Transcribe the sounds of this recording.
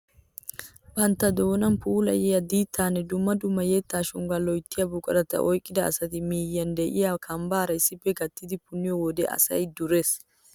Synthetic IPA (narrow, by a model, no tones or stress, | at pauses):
bɐnt̪ːɐd̪o̞ːnɐnpuːlɐ̰jɛjɐd̪iːt̪ʰːaːnːɛd̪ʊmːɐd̪ʊmːɐjɛt̪ːaːʃʊŋɡɐlɔjt̪ːɪjɐbʊkʼɐɾɐt̪ːɐ̰ʔɔjkʼːɪd̪ɐ̰ːsɐt̪ɪmiːjːɐnd̪ɛʔɪjakʰɐmbaːɾɐɪsːɪpːɛɡɐt̪ːɪd̪ɪpʊnːɪjɔwɔd̪ɛʔɐ̰sɐ̰jd̪ʊɾeːs